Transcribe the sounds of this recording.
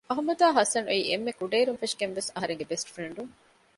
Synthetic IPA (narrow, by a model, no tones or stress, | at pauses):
ɐɦumɐd̪aːɦɐsɐnuiːʔemːekuɖeːɾunfeʂɡenʋesɐɦɐɾeŋɡebesʈfɾeɳɖuŋ